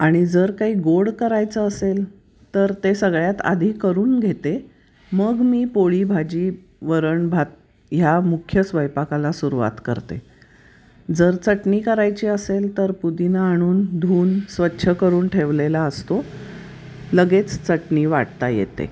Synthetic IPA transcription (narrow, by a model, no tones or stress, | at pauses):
aɽ̃id͡zəɾkaɦiːɡoɽkəɾajt͡səəsel | t̪əɾt̪esəɡɭjat̪a̰d̪ʱiːkəɾuːnɡʱet̪e | məɡmiːpoɭibʱad͡ʑiː | ʋəɾəɳbʱat̪̚ | jamukʰjəsʋəjpakalasuɾuʋa̰t̪kə̰ɾt̪ḛ | d͡zəɾt͡səʈniːkəɾajt͡ɕiːəselt̪əɾpud̪inaːɽ̃uːnd̪ʱuːnsʋətːɕʰəkəɾuːnʈʰeʋlelaəst̪o | ləɡet͡st͡səʈniːʋaʈ̚t̪ajḛt̪ḛ